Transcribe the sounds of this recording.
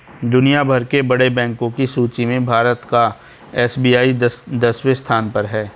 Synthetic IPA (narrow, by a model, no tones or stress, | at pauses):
d̪ʊnijabʱɐɾkebɐɽebɛ̃ːŋkõkisuːt͡ʃimẽbʱaːɾət̪ka | ɛːsbiːaːid̪ɐswest̪ʰaːnpɐɾɦɛː